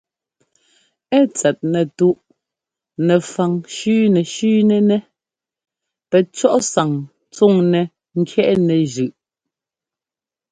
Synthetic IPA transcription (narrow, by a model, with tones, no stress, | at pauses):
ɛ˦˨t͡sɛ˨t̚nɛ˨tu˦ʔ | nɛ˨fa˨ŋʃʉː˦nɛ˨ʃʉː˦nɛ˨nɛ˦ | pɛ˨t͡ʃɔ˦ʔsa˨ŋ | t͡su˦˨ŋnɛ˨ | ŋ̩˦kʰjɛ˦ʔnɛ˨ʒʉ˨ʔ